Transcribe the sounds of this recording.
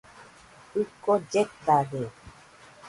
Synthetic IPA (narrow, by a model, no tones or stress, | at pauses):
ɯkod͡ʒet̪aɣe